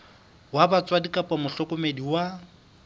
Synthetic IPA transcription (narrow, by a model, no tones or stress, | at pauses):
wabat͡sʼwadikʼapʼamʊɬɔkʼʊmediwa